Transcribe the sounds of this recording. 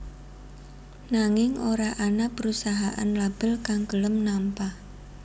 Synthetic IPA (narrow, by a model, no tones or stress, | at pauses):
naŋɪŋoɾaʔanapəɾusaɦaʔa̰nlab̥əlkaŋɡələmnampah